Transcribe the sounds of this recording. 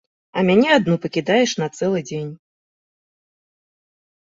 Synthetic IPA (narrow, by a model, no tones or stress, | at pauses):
ɐmʲanʲɛad̪nupɐkʲid̪ajɛʂnɐt̪sɛlˠɨd͡zʲenʲ